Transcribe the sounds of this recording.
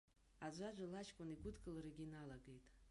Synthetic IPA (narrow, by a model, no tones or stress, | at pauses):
ad͡ʒʷad͡ʒʷalaʃkʷʼʊniɡʷʊdkʼɨlaɾaɡʲinalaɡe̞jtʼ